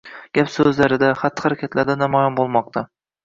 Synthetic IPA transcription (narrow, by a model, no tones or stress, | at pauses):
ɡ̥ʲapsɵzlaɾɪd̪aχat̪ʰːɨ̥haɾakʲʰat̪laɾd̪anamɒjɒnbolˠmɒq̚t̪ʰa